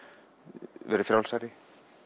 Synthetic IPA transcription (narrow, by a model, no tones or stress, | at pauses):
vɛ̰ɾʏfjɾawlsajɾɪ